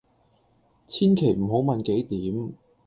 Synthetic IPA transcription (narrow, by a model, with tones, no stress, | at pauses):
t͡sʰiː˥nkʰe˨˩jm̩˨˩ɦo˨˥wmɐ˨nke˨˥jt̪iː˨˥m